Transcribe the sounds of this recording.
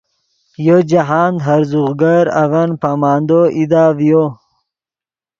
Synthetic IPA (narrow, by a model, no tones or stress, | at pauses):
jod͡ʑaɦaːnd̪ɦɐɾzuɣɡaɾɐ̰vɐnpaːmaːnd̪oʔid̪aːvjo